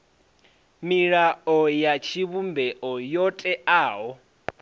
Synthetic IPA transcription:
miɺaɔjat͡ʃʰiβumbɛʔɔjɔtʼɛaːɦɔ

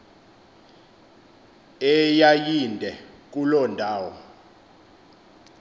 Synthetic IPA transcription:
ɛjajindʱɛ | k̬ulɔndʱaːwɔ̰

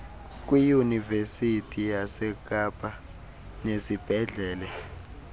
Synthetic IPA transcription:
k̬ʼwijunivesitʰʼijasɛk̬ʼapʼa | nesib̥ʱɛɮɛːlɛ

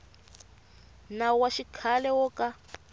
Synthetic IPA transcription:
nawaʃikʰalɛwɔka

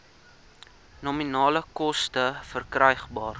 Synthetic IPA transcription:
nɔminɑːləkɔstəfərkrəjχbɑːr

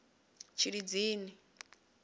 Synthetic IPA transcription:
t͡ʃʰiɾid͡ziːni

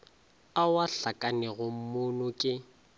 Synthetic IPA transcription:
awaɬakʼanɛɣʊm̩mʊnʊkʼɪ

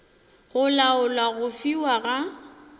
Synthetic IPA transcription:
ɣʊlaʊlwaɣʊfiwaɣa

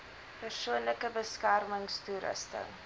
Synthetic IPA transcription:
pərsuənləkəbəskærməŋstuɾə̰stə̰

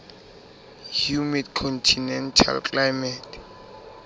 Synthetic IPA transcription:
hjumidkʰɔntʰinɛntʰa̰lkʼlajmɛtʰ

